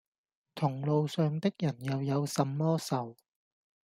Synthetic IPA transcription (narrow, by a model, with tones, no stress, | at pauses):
t̪ʰʊ˨˩ŋlo˨wsœː˨˧ŋt̪ɪ˥k̚jɐ˨˩njɐ˨wjɐ˨˧wsɐ˨mːɔː˥sɐ˨˩w